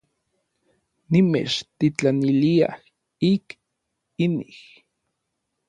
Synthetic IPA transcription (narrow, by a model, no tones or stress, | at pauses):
nimḛt͡ʃt̪it͡ɬanilia̰h | ik | inih